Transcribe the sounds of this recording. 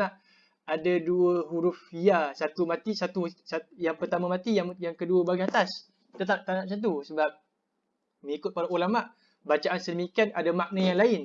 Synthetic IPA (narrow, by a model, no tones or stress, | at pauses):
aʔ | adaduəɦuɾufiasat̪umãt̪isat̪usajaŋpərt̪amamat̪ijaŋjaŋkəduəbaɡiat̪as | t̪ət̪aʔ̚t̪anaʔs̬at̪̬usəbap̚ | məŋikʊt̪̚paɾaulamaʔ | bat͡ʃaʔansədəmikianadamaʔ̚najaŋlaɪn